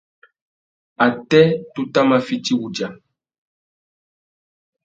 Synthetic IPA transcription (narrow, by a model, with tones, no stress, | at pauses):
a˨tɛ˦tu˦ta˦ma˦fi˦ti˦wu˨d͡ʒa˨